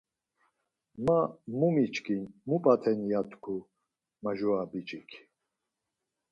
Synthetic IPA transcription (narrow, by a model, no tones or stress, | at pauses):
mamumit͡ʃʰʼkʰʼinmupʼat̪ʰɛnjat̪ʰʼkʰu | maʒuabit͡ʃʼikʰ